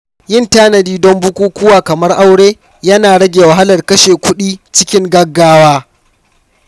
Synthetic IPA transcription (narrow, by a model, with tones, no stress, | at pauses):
jɪ˦˨ntaː˦nɐ˨diː˦dɔ˦mbʊ˦kʷuː˦kʷʊ˦waː˨kɐ˨mɐ˦rʔa˦wɽeː˦ | jɐ˦naː˨ɽɐ˦ɡʲeː˨wɐ˨ɦa˦lɐ˨rkɐ˦ʃeː˨kʷʊ˦ɗiː˦t͡ʃɪ˦kʲɪ˦ŋɡɐ˦ɡːaː˦waː˦